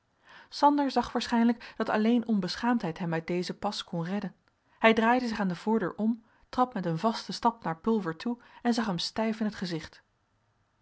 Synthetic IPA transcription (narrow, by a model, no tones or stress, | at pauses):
sɑndəɹzɑχʋaːɹsχɛjnləkd̥ɑtɑ̰lejnɔnbəsχaːmtɦɛjtɦɛmœɥt̚dejzəpɑskɔnrɛdən | hɛjdraːjdəzɪχaːndəv̥ʊːɹdø̰ːɹʔɔm | trɑpmɛtənvɑstəstɑpnaːɹpɵlˠvəɹtʰuɛnzɑχɦɛmstɛjfɪnɦətχəzɪχt